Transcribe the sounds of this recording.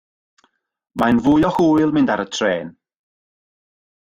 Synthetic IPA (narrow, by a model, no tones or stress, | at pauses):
manvʊːjɔhuːjlˠmɪndaɾətʰreːn